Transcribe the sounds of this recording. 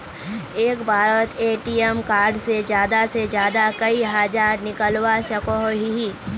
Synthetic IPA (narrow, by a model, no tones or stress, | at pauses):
eːkbʱaːɾət̪eːʈiːɛmkaːɾɖsed͡ʒjaːd̪ased͡ʒjaːd̪akɐiɦaːd͡ʒaːɾnɪkəlwaʃɐkoɦoɦiɦiː